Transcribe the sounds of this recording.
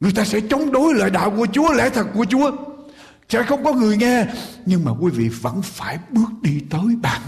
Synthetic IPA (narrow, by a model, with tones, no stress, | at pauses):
ŋɨ˨˩əjt̪aː˧sɛ̰˧˥t͡ɕə˨˦wŋ͡mɗo˨˦jlə̰ː˧˨jɗa̰ː˧˨wku˧˩ət͡ɕu˨˦əlɛ̰˧˥t̪ʰə˨˩k̚kːu˧˩ət͡ɕu˨˦ə | sɛ̰˧˥xə˧wŋ͡mkɔ˨˦ŋɨ˨˩əjŋɛ˧ɲɨ˧ŋmaː˨˩kwi˨˦vḭ˧˨və̰˧˥nfaː˧˩jɓɨ˦˥ək̚ɗi˧t̪əː˨˦jɓaː˨˩n